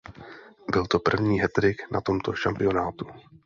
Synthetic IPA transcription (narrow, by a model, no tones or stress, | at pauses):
bɪlt̪o̞pr̩vɲiːɦɛt̪ɾɪknʔa̰t̪o̞mt̪o̞ʃampɪjo̞naːt̪u